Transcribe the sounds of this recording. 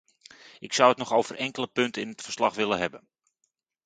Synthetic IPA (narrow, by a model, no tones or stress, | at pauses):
ɪksɔwətnɔxowv̥ərʔɛŋkələpɵntəɪnətfərslɑxʋɪləɦɛbən